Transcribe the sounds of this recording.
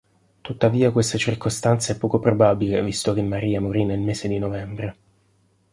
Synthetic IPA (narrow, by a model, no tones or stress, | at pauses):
t̪ut̪ːaviːakwest̪at͡ʃirkost̪ant̪saɛpːɔːkopɾobabilevist̪ok̟emːaɾiːamoɾinːelmeːsed̪inovɛmbɾe